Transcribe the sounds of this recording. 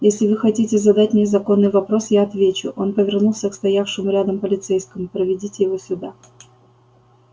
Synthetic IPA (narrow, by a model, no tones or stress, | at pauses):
jesʲlʲɪvɨxɐtʲitʲɪzɐd̪atʲmʲɪzɐko̞nːɨjvɐpɾo̞sjaɐt̪vʲet͡ɕʊʔo̞npəvʲɪrnulˠsʲəkst̪ɐjafʂɨmʊɾʲad̪əmpəlʲɪt̪sɛjskəmʊpɾəvʲɪdʲitʲɪjɪvo̞sʲʊd̪a